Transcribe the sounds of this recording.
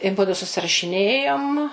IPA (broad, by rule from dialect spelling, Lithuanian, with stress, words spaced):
ɪ ˈmʊdʊ sʊsʲɪrɐʃʲɪˈnʲeːjoːm